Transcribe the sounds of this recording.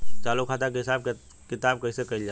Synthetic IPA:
t͡ʃaːlokʰaːt̪akeɦɪsaːb̚ | kɪt̪aːb̚kɐisekɐɪld͡ʒa

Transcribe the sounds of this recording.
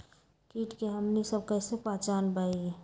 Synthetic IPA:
kiːʈkeɦəmnisəb̚kəsepat͡ʃaːnbaie

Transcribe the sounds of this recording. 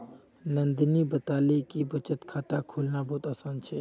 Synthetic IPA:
nənd̪nibət̪alekibət͡ʃət̪kʰat̪akʰulnabɔɦut̪əsənt͡ʃʰɛ

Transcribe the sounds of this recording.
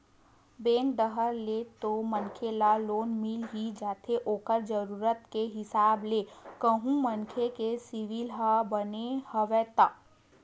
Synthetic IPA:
bɛ̃ːŋkɖ̪əɦəɾlet̪omənkʰelaloːnmɪlɦid͡ʒaːt̪ʰeʔoːkəɾd͡ʒəɾuːɾət̪keɦɪsaːbleːkəɦũmənkʰekesɪʋɪlɦabənehəʋɛːt̪aː

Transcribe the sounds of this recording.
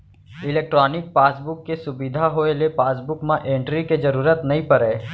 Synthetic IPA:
ɪleːk̚ʈɾɔːnɪk̚paːsbʊkːesʊbɪd̪ʱaɦoːelepaːsbʊkmãʔẽːɳʈɾiked͡ʒɐɾuːɾət̪nɐɦĩpɐɾeː

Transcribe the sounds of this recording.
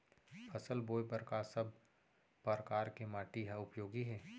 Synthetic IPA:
fʰɐsəlboːjpəɾkasɐb̚ | pəɾəkaːɾkemaːʈiɦaʊpjoːɡiɦɛː

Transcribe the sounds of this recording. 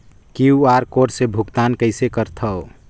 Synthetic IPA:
kiuaɾkoɾsebʱukt̪aːnkəɪsekəɾt̪ʰəo

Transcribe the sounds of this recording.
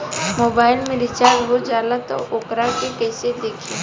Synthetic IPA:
moːbaːɪlmẽɾɪt͡ʃaːɾɦod͡ʒaːlat̪o̰ʔʊkɾakekɛːɪsed̪eːkʰi

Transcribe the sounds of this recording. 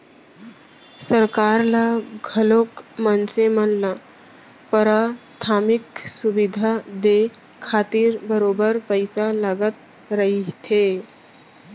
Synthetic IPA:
səɾkaːɾlaɡʱəloːkmənsemənla | pəɾat̪ʰaːmɪksubid̪ʱad̪e | kʰaːt̪iɾbəɾoːbəɾpəɪsaləɡət̪̚ | ɾəɦit̪ʰe

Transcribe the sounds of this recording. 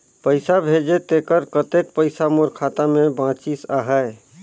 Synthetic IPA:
pəɪsabʱed͡ʒet̪ekəɾkət̪ek̚pəɪsamoɾkʰat̪amẽbãt͡ʃisaɦəe

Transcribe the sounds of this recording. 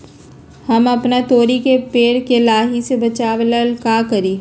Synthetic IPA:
hɐmɐpnat̪oːɾikepeːɽkelaːɦisebɐt͡ʃaːʋləlkaːkɐɾiː

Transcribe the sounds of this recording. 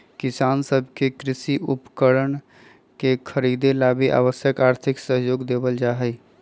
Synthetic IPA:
kɪsaːnsəbʱkekɾɪsiʔupkəɾən | kekʰəɾid̪elabiʔa̰ʋəsjəkaːɾt̪ʰɪksəɦjoːɡd̪ebəld͡ʒaɦɛj

